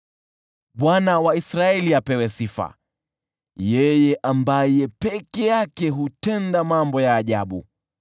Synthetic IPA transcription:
ɓwanawaisɾaɛliapɛwɛsifa̰ | jɛjɛʔambajɛpɛkɛjakɛɦutɛndamambɔjaːʄaɓṵ

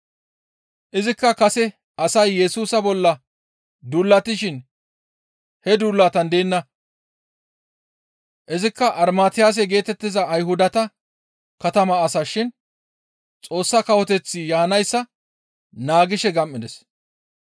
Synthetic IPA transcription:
ʔɪzɪkːɐkɐsɛ | ʔɐsɐjːɛsuːsɐbɔlːɐ | d̪uːlːɐt̪ːɪʃɪn | hɛd̪uːlːaːt̪ɐnd̪eːnːɐ | ʔɪzɪkːɐʔɐɾmaːt̪ɪjaːs̬ɛɡe̞ːt̪ɛt̪ːɪzɐːjɦʊd̪ɐt̪ɐ | kɐt̪ɐmɐːsɐʃɪn | t͡sʼo̞ːsːɐkɐwɔt̪ɛt͡sːɪjaːnɐjsːɐ | naːɡɪʃɛɡɐmːɪd̪ɛs

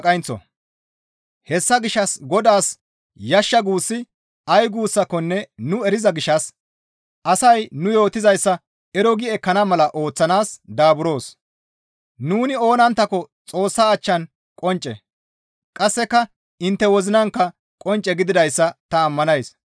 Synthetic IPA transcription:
kʼɐjnt͡sːɔ̰ | hɛsːɐɡɪʃɐsɡɔd̪aːs | jɐʃːɐɡuːsːɪ | ɐjɡuːsːɐkːɔnːɛnʊɛɾɪzɐɡɪʃːɐs | ɐsɐjnʊjo̞ːt̪ːɪzɐjsːɐ | ɛɾɔɡɪɛkɐnɐmɐlɐʔo̞ːt͡sːɐnaːsd̪aːbʊɾo̞ːs | nuːnɪo̞ːnɐnt̪ːɐkːɔ | t͡sʼo̞ːsːaːt͡ʃːɐn | kʼɔnt͡ʃʼɛ | kʼɐsːɛkːɐ | ɪnt̪ːɛwɔzɪnɐŋkːɐ | kʼɔnt͡ʃʼːɛɡɪd̪ɪd̪ɐjsːɐt̪ɐːmːɐnɐjs

